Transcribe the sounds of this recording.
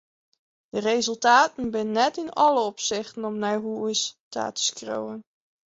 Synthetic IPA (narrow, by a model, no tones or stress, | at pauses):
d̥ərejzɵlˠtaːtənbɪnənɛtɪnɑləɔpsɪχtənɔmnarɦuɪsta̰ːtə̥skro̰wən